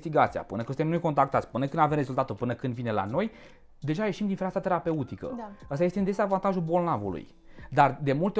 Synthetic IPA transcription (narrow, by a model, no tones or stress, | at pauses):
st̪iɡat̪sija̰pɨnəkɨnsɨt̪enojko̞nt̪ɾakt̪at̪sʲpɨnəkɨnd̪ave̞mrezult̪at̪ulpɨnəkɨnd̪vine̞la̰no̞j | d̪e̞ʒaje̞ʃimd̪infɾat̪at̪e̞ɾape̞ut̪ikə̰ast̪ajet̪eɨnd̪ezavant̪aʒulbo̞lnavṵlṵj | d̪ard̪e̞mult̪e